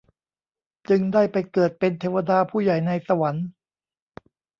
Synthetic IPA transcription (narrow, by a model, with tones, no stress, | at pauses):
t͡ɕɯ˧ŋdaː˥˩jpa˧jkɤː˨˩t̪̚pe˧nt̪ʰeː˧wa˧daː˧pʰuː˥˩ja˨˩jna˧jsa˧wa˩˦n